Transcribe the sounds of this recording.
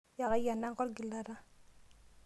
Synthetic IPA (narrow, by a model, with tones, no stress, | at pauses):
ja˨ɣa˦ja˨na˦ŋkɔ˦ɾɡi˨la˦ɾa˦